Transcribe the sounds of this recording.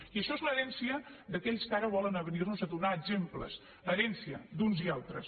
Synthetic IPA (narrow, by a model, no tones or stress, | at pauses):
iəʃɔezləɾɛnsiəd̪əkɛʎskaɾəβ̞ɔlənəβənirnuzəðunaːɡzemplə̰s | əɾɛnsiə̰d̪unzialˠt̪ɾə̰s